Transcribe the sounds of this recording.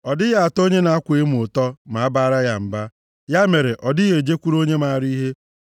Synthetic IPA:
ɔ˨dɪ˦ja˦a˨to˦ɲe˦na˨a˦kʷe˦m˨ʊ˨tɔ˦ma˨a˦ba˦ɾa˦ja˨m̩˨ba˦ | ja˦me˨ɾe˨ʔɔ˨dɪ˦ɣe˨d͡ʒe˦kʷu˦ɾo˦ɲe˦ma˨a˨ɾi˦ɦe˦

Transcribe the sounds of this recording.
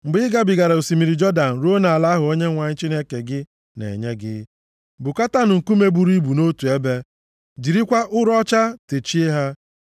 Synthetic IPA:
m̩˨bɪ˦ɪ˦ɡa˦bɪ˨ɡa˨ɾa˨o˨si˨mi˨ɾi˨d͡ʒɔ˦da˨n̩˨ɾu˦o˦na˨a˨la˦ɦʊ˨o˦ɲe˦ŋʷa˨ɲɪ˦t͡ʃi˦ne˦ke˨ɡɪ˦ | nḛ˨ɲe˦ɡɪ̰˦ | bʊ˨ka˦ta˦nʊ˨ŋ̩˨ku˦me˦bu˨ɾi˦bu˨no˦tu˨e˦be˦ | d͡ʒi˨ɾi˦kʷa˦ʔʊ˦ɾɔ˦t͡ʃa˦te˨t͡ʃi˦e˦ɦa˦

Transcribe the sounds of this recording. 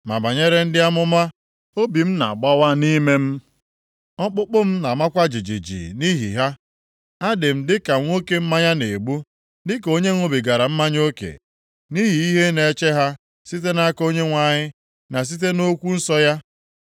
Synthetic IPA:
ma̰˨ba˨ɲe˦ɾe˦n̩˦dɪ˦a˦mʊ˦ma˦ | o˦bi˨m̩˦na̰˨ɡ͡ba˦wa˦ni˦me˦m̩˦ | ɔ˦k͡pʊ˦k͡pʊ˦m̩˦na˨ma˦kʷa˦d͡ʒi˨d͡ʒḭ˨d͡ʒḭ˨ni˦ɦḭ˨ɦa˦ | a˦dɪ˨m̩˦dɪ˦ka˨ŋʷo˦ke˨m̩˦ma˦ɲa˦ne˨ɡ͡bu˦ | ndɪ˦ko˦ɲe˦ŋʷo˦bi˨ɡa˨ɾa˨m̩˦ma˦ɲ˦o˦kḛ˨ | ni˦ɦi˨i˦ɦe˦ne˨˦t͡ʃe˦ɦa˦ | si˦t̬e˦na˦ko˦ɲe˦ŋʷa˨ɲɪ˦ | na˨s̬i˦t̬e˦no˦kʷu˦n̩˦sɔ˦ja˦

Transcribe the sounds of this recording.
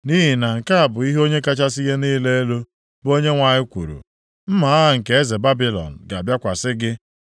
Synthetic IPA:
ni˦ɦi˨na˨ŋ̩˨ka˦a˨bʊ˨i˦ɦo˦ɲe˦ka˦t͡ʃa˦si˦ɣe˦niː˦le˦e˦lo˦ | bo˦ɲe˦ŋʷa˨ɲɪ˦kʷṵ˨ɾṵ˨ | m̩˦ma˨a˦ɦa˦ŋ̩˨ke˨e˦ze˨ba˦bi˨lɔ̰˨n̩˨ɡa˨a˨bja˦kʷa˨sɪ˦ɡɪ˦

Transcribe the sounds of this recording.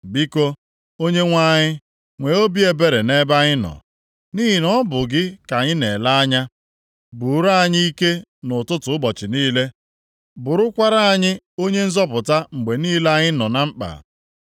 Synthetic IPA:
bi˦ko˦ | o˦ɲe˦ŋʷa˦ɲɪ˦ | ŋʷe˨o˦bi˦e˨be˦ɾe˨ne˦ba˦ɲɪ˦nɔ̰˨ | ni˦ɦi˨nɔ˦bʊ˨ɡɪ˦ka˨ɲɪ˦ne˨la˦a˦ɲa˦ | bʊ˨ɾa˦˨ɲɪ˦i˦ke˦nʊ˨tʊ˦tʊ˨˦ʊ˦bɔ˨t͡ʃɪ˨niː˦le˦ | bʊ˨ɾʊ˦kʷa˦ɾa˦a˦˨ɲɪ˦ | o˦ɲe˦n̩˦zɔ˦p̬ʊ˨ta˦ŋ͡m̩˨ɡ͡be˨niː˦la˦ɲɪ˦nɔ˨na˦ŋ͡m̩˦k͡pa̰˨

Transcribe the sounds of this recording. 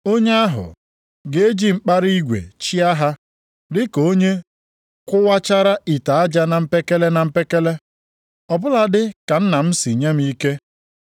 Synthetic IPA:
o˦ɲe˦a˦ɦʊ̰˨ | ɡe˦e˦d͡ʒi˦ŋ͡m̩˦˨k͡pa˦ɾi˦ɡʷḛ˨t͡ʃi˦a˦ɦa˦ | dɪ˦ko˦ɲe˦ | kʷʊ˦wa˦t͡ʃa˦ɾa˦ʔi˨ta˨a˦d͡ʒa˦na˨m̩˦pe˦ke˦le˦na˨m̩˦pe˦ke˦le˦ | ɔ˨bʊ˦la˨dɪ˦ka˨n̩˦na˨m̩˦si˨ɲe˦m̩˦i˦ke˦

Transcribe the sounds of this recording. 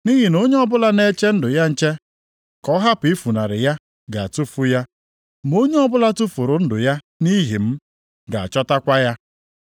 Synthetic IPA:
ni˦ɦi˨no˦ɲe˦ɔ˦bʊ˦la˦ne˦t͡ʃe˦n̩˦dʊ˨ja˦n̩˦t͡ʃe˦ | kɔ˦ɦa˦pʊ˨i˦fu˨na˨ɾɪ˨ja˦ | ɡa˨a˨tu˦fu˦ja˦ | m˦o˦ɲe˦ɔ˦bʊ˦la˦tu˦fu˨ɾʊ˨n̩˦dʊ̰˨ja˦ | ni˦ɦi˨m̩˦ | ɡa˨a˨t͡ʃɔ˦ta˦kʷa˦ja˦

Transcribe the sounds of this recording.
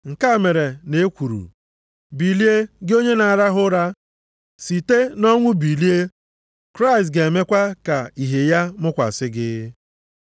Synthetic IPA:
ŋ̩˨ka˦˨me˨ɾe˨ne˨e˦kʷu˨ɾṵ˨ | bi˨li˦e˦ɡɪ˦o˦ɲe˦na˨a˨ɾa˦ɦʊ˦ɾa˦ | si˨te˦nɔ˦ŋʷʊ˦bi˨li˦e˦ | kɾa˦ɪ˨stɡe˨me˦kʷa˦ka˨i˨ɦe˨ja˦mʊ˦kʷa̰˨sɪ˦ɡɪ˦

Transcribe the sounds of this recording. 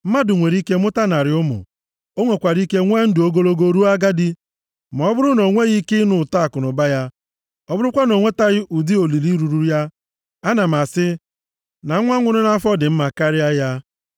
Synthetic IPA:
m̩˦ma˦dʊ˨ŋʷe˨ɾi˦ke˦mʊ˦ta˦na˨ɾɪ˨˦ʊ˦mʊ̰˨ | o˦ŋʷe˨kʷa˨ɾi˦ke˦ŋʷe˦n̩˦dʊ˨o˦ɡo˦lo˦ɡo˦ɾu˦a˦ɡa˦dɪ˦ | ma˨ɔ˦bʊ˦ɾʊ˦no˨ŋʷe˦ɣi˦kɪ˦nʊ˨ta˦˨kʊ˨nʊ˨ba˦ja˦ | ɔ˦bʊ˦ɾʊ˦kʷa˦no˨ŋʷe˦ta˦ɣɪ˦ʔu˨di˦o˨li˨li˦ɾu˨ɾu˦ɾja˦ | a˦na˨m̩˨a˨sɪ˦ | na˨˦ŋʷa˦ŋʷʊ˦ɾʊ˦na˦fɔ˦dɪ˨m̩˦ma˨ka˦ɾɪ˦a˦ja˦

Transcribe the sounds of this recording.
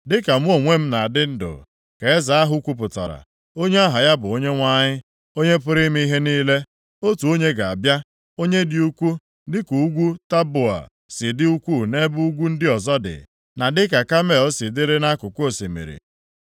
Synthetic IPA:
dɪ˦ka˨m̩˦o˨ŋʷe˦m̩˦na˨dɪ˦n̩˦dʊ̰˨ | ke˨e˦za˨a˦ɦʊ˦kʷu˦p̬ʊ˨tɔ̰˨ɾa̰˨ | o˦ɲe˦a˦ɦa˨ja˦bʊ˨o˦ɲe˦ŋʷa˦ɲɪ˦ | o˦ɲe˦pʊ˦ɾɪ˦m̩˦i˦i˦ɦe˦niː˦le˦ | o˦tu˨o˦ɲe˦ɡa˨a̰˨bja˦ | o˦ɲe˦dɪ˦u˦kʷu˦ | dɪ˦ku˨˦ɡʷu˦ta˦bʊ˨a̰˨ | sɪ˨dɪ˦u˦kʷu˦˨ne˦bu˦u˦ɡʷu˦n̩˦dɪ˦ɔ˨zɔ˦dɪ̰˨ | na˨dɪ˦ka˨ka˦me˦˨ɔ˦sɪ˨dɪ˦ɾɪ˦na˦kʊ˨kʷo˦˨si˨mḛ˨ɾḭ˨

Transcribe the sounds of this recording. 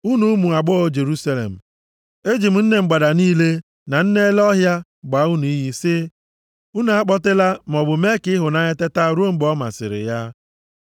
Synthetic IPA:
u˦nu˦mu˨a˨ɡ͡bɔ˦o˦d͡ʒe˨ɾu˦sa˦lḛ˨m̩˨ | e˦d͡ʒi˨m̩˨n̩˦ne˨ŋ͡m̩˨ɡ͡ba˨da˨niː˦le˦ | na˨n̩˦ne˦lɔ˦ɦja˦ | ɡ͡ba˨˦u˦nu˨i˦ɦi˦sɪ˦ | u˦n˨a˦k͡pɔ˦tɪ˦la˦m̩˨ɔ˨bʊ˨me˦kɪ˦ɦʊ˨na˦ɲe˦te˦ta˦ɾo˦ŋ͡m̩˨˦ɡ͡bɔ˦ma̰˨sɪ̰˨ɾɪ̰˨ja˦

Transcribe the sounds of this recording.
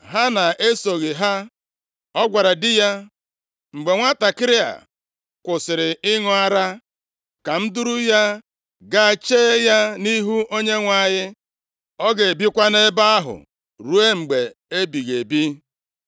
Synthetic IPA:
ɦa˦na˨ʔe˦so˨ɣɪ˨ɦa˦ | ɔ˦ɡʷa˨ɾa˨dɪ˦ja˦ | ŋ͡m̩˨ɡ͡be˨ŋʷa˦ta˨kɪ˦ɾɪ˦a̰˨ | kʷʊ˨sɪ˨ɾɪ˨ɪ˦ŋʊ˦a˦ɾa˦ | ka˨n̩˦du˦ɾu˦ja˦ | ɡa˦a˨t͡ʃeː˦ja˦ni˦ɦu˦o˦ɲe˦ŋʷa˨˦˨ɲɪ˦ | ɔ˦ɡe˨e˨bi˦kʷa˦ne˦ba˦a˦ɦʊ̰˨ | ɾu˦e˦ŋ͡m̩˨ɡ͡be˨e˦bi˨ɣe˨bi˦

